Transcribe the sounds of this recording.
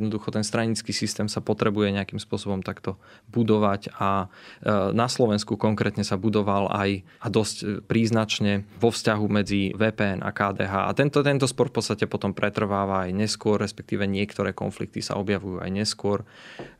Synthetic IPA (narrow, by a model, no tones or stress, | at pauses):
jɛd̪nɔd̪uxɔt̪ɛnst̪ɾaɲiːt͡skiːsist̪ɛːmsapɔt̪ɾɛbujɛɲɛakimspʊɔsɔbɔmt̪akt̪ɔbud̪ɔʋaca | naslɔʋɛnskukɔŋkɾɛːt̪ɲɛsabud̪ɔʋalʔa̰j | ad̪ɔscpɾiːznat͡ʃɲɛʋɔfscaɦumɛd͡ziʋɛːpɛɛna̰kaːd̪ɛːɦaːa̰t̪ɛnt̪ɔt̪ɛnt̪ɔspɔɾfpɔt̪st̪acɛpɔt̪ɔmpɾɛt̪r̩ʋaːʋaːjɲɛskʊɔrːɛspɛk̚t̪iːʋɛɲɪɛkt̪ɔɾɛːkɔ̰nflḭk̚t̪isa̰ɔbjaʋujua̰jɲɛskʊɔɾ